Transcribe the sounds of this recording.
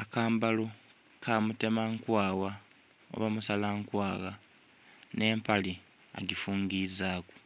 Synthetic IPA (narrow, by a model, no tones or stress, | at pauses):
akaːmbalo | kʰamute̞maŋkwaːwa | o̰βamusalaŋkwaːɣa | ne̞ːmpali | a̰ɡifuːŋɡizaːku̥